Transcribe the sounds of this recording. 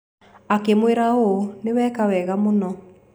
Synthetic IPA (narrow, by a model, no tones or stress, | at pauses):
akemweɾaonewɛkawɛɣamonɔ